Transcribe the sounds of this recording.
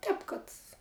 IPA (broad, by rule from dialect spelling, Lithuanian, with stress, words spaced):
ˈtʲɛːp kɐt